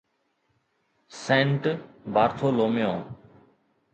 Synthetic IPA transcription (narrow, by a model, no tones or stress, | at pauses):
sẽːɳʈbʱaːɾt̪ʰoːloːmjõː